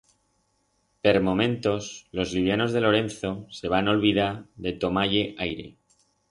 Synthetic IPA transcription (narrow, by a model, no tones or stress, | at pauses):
pe̞ɾmo̞mẽ̞nt̪o̞slo̞zliβ̞jano̞zðe̞lo̞ɾe̞nθo̞se̞β̞ano̞lβið̞aɾðe̞t̪o̞maʎe̞ʔajɾe̞̰